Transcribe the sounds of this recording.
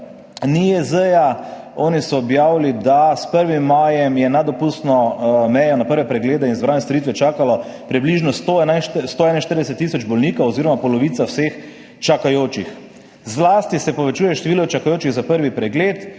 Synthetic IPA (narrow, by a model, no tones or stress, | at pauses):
niɛzəja | ɔːnisɔːbjaːwlid̪aspəɾʋimːaːjɛmjɛnad̪ɔpust̪nɔmɛjɔnapəɾʋɛpɾɛɡleːd̪ɛinzbɾaːnɛst̪ɔɾit̪ʋɛt͡ʃaːkalɔ | pɾibliʒnɔst̪onast̪oɛnañʃt̪əɾd̪ɛsɛt̪ːisɔd͡ʒbɔlniːkaɔziːɾɔmapɔlɔʋiːt̪sawsex | t͡ʃakajoːt͡ʃix | zlaːst̪isɛpɔʋɛt͡ʃuːjɛʃt̪ɛʋiːlɔt͡ʃakajoːt͡ʃiɣzapəɾʋipɾɛɡleːt̪